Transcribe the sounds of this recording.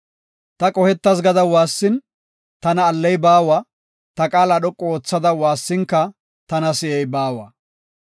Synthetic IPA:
t̪ɐkʼɔhɛt̪ːɐs̬ɡɐd̪ɐwaːsːɪn | t̪ɐnɐːlːɛjbaːwa | t̪ɐkʼaːlɐɗɔkʼːɔoːt͡sːɐd̪ɐwaːsːɪŋkːɐ | t̪ɐnɐsɪʔɛjbaːwɐ̰

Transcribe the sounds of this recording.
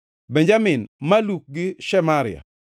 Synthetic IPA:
bɛɲd͡ʒamɪnmaluk̚ɡɪʃɛmaɾɪ̰a̰

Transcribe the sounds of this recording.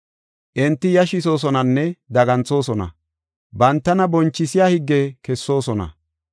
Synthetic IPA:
ʔɪnt̪ːɪjɐʃɪso̞ːs̬ɔnɐnːɛd̪ɐɡɐnt͡so̞ːsɔnɐ̰ | bɐnt̪ːɐnɐbɔnt͡ʃːɪsɪjaːhɪɡːɛkɛsːo̞ːsɔnɐ̰

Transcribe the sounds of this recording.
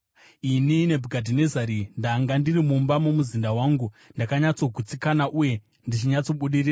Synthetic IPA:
inine̞bʱuɡʱadʱine̞zaɾindaŋɡandirimumbamomuzindawaːŋɡu | ndakaɲat͡so̞ɡʱut͡sikanaʔuje̞ | ndit͡ʃiɲat͡so̞ɓuɗirira

